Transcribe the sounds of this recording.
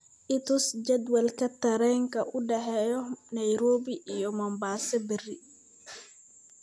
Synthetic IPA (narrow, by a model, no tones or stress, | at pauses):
ʔɪt̪ʰʊsd͡ʒɐd̪wɐlkʰɐt̪ʰɐɾɛːŋkʰɐʔʊɖɛħɛːjɔnɐjɾɔːbiʔijɔmɔmbaːsɛbɪrɪ